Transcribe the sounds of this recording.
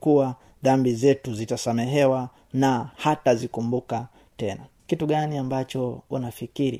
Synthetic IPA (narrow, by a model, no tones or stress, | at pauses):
kuwa | ðambizɛtuzitasamɛɦɛwa | nahatazikumbuka | tɛna | kituɠaniambat͡ʃɔṵnafikiɾḭ